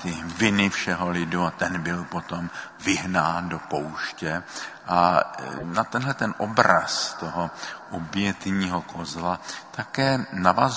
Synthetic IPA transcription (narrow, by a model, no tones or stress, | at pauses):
t̪ɪvɪnɪfʃɛɦo̞lɪduat̪ɛnbɪlpo̞t̪om | vɪɦnaːndo̞powʃcɛʔa | nat̪ɛnɦlɛt̪ɛnʔobɾa̰st̪oɦoʔobjɛt̪ɲiːɦo̞kʰozlat̪akɛːnavaz